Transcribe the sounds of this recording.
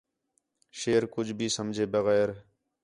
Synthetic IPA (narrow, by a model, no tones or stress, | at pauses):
ʃeːɾkʊd͡ʒbʱiːsəmd͡ʒʱeːbəɣɛːɾ